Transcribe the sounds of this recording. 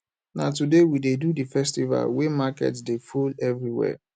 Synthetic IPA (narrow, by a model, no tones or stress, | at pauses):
natudewidedudifɛstiva̰lwemakɛ̰tsdefulɛvɹiwɛ̰